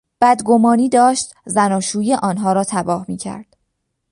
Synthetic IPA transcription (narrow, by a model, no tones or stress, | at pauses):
b̥æd̪ɡo̞mɒːniːd̪ɒːʃt̪zænɒːʃuːjeʔɒːnɦɒːɾɒːt̪ʰæbɒːhmiːcʰæ̰ɾd̪̥